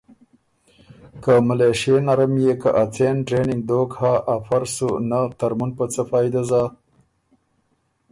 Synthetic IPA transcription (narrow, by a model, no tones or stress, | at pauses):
kamaleʃenaɾamjekaʔat͡senʈɾenɪŋɡ̚d̪okhaʔːfaɾsunat̪aɾmunpət͡səfɑːjd̪aza